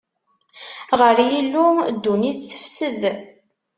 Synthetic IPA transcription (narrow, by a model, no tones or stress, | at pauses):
ʁəɾjilːud̪ːuniθθə̥fsəð